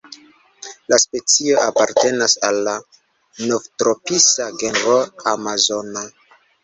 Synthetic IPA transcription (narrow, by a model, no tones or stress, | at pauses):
laspe̞t͡sio̞ʔapaɾte̞nasalːa | novtɾopisaɡenɾoamazo̞na